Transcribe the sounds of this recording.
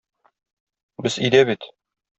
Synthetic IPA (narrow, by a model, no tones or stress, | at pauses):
bɘzid̪æbit̪